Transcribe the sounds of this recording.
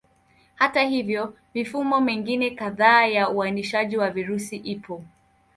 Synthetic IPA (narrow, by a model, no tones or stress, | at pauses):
hatahivjɔ | mifumɔmɛŋɡinɛkaðaːjauaniʃaʄiwaviɾusiʔipɔ